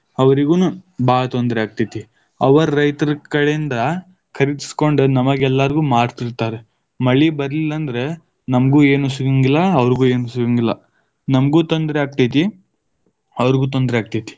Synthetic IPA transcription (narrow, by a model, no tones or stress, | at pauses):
ɐʋɐɾiɡunubaːɡɐt̪ond̪ɾɛaːɡ̚t̪ijt̪i | ɐʋɐɾɾɐjt̪ɐɾkɐɭeind̪ɐ | kʰɐɾid̪i̥sko̞ɳɖunɐmɐɡɛlːɐɾɡuːmaːɖt̪iɾt̪aːɾe | mɐɭːibɐɾlilːɐnd̪ɐɾe̞ | nɐmɡuːe̞ːnusuɡiŋɡilːɐːʋɐɾiɡuːe̞ːnusuɡiŋɡilːɐ̰ | nɐmɡuːt̪ond̪ɾeaːɡ̚t̪ɐjt̪i | ɐʋɐɾiɡuːt̪̬ond̪ɾeaːɡ̚t̪ɐjt̪i̥